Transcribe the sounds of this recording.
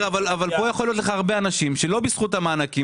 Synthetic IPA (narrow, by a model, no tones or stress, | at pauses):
avalavalpo̞jaχo̞lijo̞t̪̬leχaːaʁbeanaʃimʃe̞lo̞bisχut̪hamaːnaki